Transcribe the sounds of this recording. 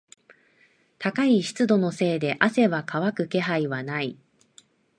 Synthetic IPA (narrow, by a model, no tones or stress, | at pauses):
t̪akaiɕi̥t͡sɨd̪o̞no̞se̞ːd̪e̞ʔase̞βakʰaβakɯ̟ke̞ɦaiβanai